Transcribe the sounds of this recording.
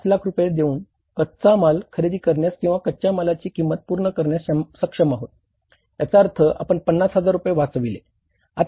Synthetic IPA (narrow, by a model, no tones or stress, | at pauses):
t͡slakʰɾupjed̪euːn | kət̪t͡samalkʰəɾed̪iːkəɾɳjaskĩw̃ʋakət̪ːt͡ɕamalat͡ɕiːkimːət̪̚puɾɳəkəɾɳjasmsəkʂəmaɦot̪̚ | jat͡saəɾt̪ʰəʔa̰pəɳpənːasɦəd͡zaɾːupjeʋat͡sʋilḛ | a̰t̪